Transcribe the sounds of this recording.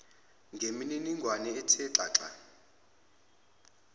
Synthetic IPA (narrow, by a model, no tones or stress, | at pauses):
ŋɡʱemininiŋɡʱwanɛːtʰɛǁa̰ːǁa̰